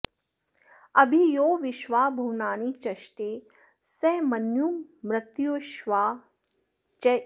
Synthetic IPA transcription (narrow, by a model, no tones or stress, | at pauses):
ɐbʱijoːʋɪʃʋaːbʱuːnaːnit͡ʃɐʃʈeː | sɛmɐnjumɾɪt̪joːʃʋaː | t͡ʃ